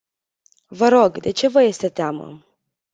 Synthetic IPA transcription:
vəɾo̞ɡd̪e̞t͡ʃe̞vəje̞st̪e̞t̪eamə̰

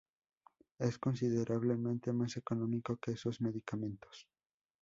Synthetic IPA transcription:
esko̞nsiðeɾʔaβ̞lemẽnt̪e̞mase̞konõmikokeesozme̞ðikamẽ̞nt̪o̥s

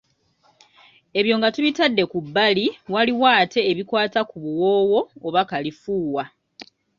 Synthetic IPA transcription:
e̞βjo̞ːŋɡatuβitadːe̞kubːaliwaliwaːte̞ːβikwaːtakuβuwo̞ːwo̞ːβakalifuːwa

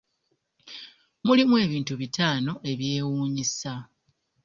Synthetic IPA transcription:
mulimwe̞ːβiːntuβitaːno̞ʔe̞βje̞ːwuːɲisa

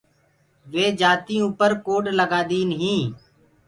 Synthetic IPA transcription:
ʋeːd͡ʒaːt̪ĩːuːpəɾkoːɖləɡaːd̪iːnəɦĩː

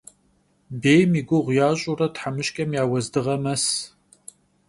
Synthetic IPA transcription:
beːjmiɡʷʊʁʷjaːɕʼuɾɐtħamɨɕkʲʼɐmjaːwɐzdɨʁɐmɐs

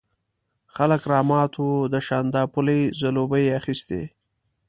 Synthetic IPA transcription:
xaləkɾɑːmɑt̪ʰod̪əʃɑnd̪ɑːpʊlejzalobəjeaxist̪ḛ

